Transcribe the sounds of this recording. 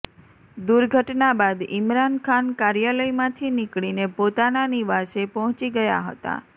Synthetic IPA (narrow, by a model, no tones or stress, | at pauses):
d̪uɾɡʱəʈnabad̪ɪmɾankʰankaɾjaləjmãt̪ʰinikɭinepot̪ananiʋaʃepɔɦɔ̃t͡ʃiɡəja̰ɦə̰t̪a̰